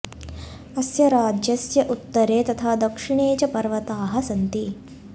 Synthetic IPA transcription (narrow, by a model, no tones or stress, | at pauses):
ɐsjɐɾaːd͡ʒjɐsjɐʔut̪ːɐɾeːt̪ɐt̪ʰaːd̪ɐkʂiɳeːt͡ʃɐpɐɾʋɐt̪aːɦɐsɐnt̪i